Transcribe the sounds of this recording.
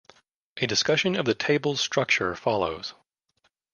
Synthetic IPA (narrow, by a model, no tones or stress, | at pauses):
ʔɨdɨskʌʃɨ̃nʌvðɨtʰeɪbl̩ˠz̥stɹ̥ʌk̚t͡ʃə˞fɑlˠo̰ʊz̥